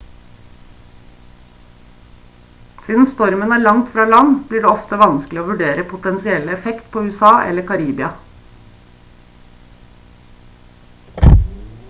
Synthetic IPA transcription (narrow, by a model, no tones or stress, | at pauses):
siːd̪n̩st̪ɔɾmənæːɭɑŋt̪fɾɑːlɑnb̥liːɖeːɔft̪əʋɑnsklɪoːʋʉɖeːɾəpʰʊt̪ɛnsɪɛləɛfɛkt̪pʰoːʉːɛsɑːʔɛ̰ləkʰɑɾiːbɪɑ